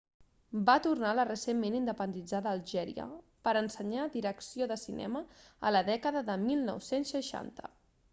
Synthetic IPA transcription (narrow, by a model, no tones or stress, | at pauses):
bat̪urnalərəsemːenind̪əpənd̪id͡zaðəːlˠʒɛɾḭə̰ | pəɾənsəɲaðiɾəksioðəsinʔɛ̰mə̰ːləðɛkəðəðəmilˠnɔ̰wsensːəʃa̰nt̪ə̥̰